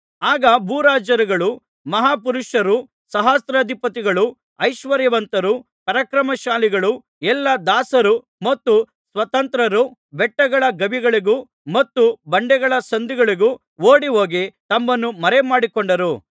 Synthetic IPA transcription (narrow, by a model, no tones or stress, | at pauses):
aːɡɐbuːɾaːd͡ʒɐɾiɡɐɭu | mɐɦaːpuɾuʃɐɾu | sɐɦaːst̪ɾɐd̪ʱipɐt̪iɡɐɭu | ɐjʃʋɐɾjɐʋɐnt̪ɐɾu | pɐɾɐkɾɐmɐʃaːliɡɐɭu | ɛlːɐd̪aːsɐɾu | mɐt̪ːu | sʋɐt̪ɐnt̪ɾɐɾubɛʈːɐɡɐɭɐɡɐbiɡɐɭiɡu | mɐt̪ːubɐɳɖɛɡɐɭɐsɐnd̪iɡɐɭiɡu | oːɽiɦo̞ːɡit̪ɐmːɐnːumɐɾemaːɽikoɳɖɐɾu